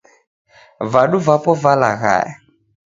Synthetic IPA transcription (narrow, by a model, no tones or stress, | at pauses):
vaɗuvapɔvala̰ɣa̰ja